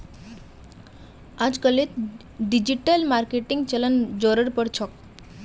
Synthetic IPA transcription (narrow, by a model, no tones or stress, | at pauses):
ad͡zkəlet̪ | ɖid͡ʑiʈəlmaɾkeʈiŋɡt͡ɕələnd͡zoɾəɽpəɽt͡ɕʰɔk̚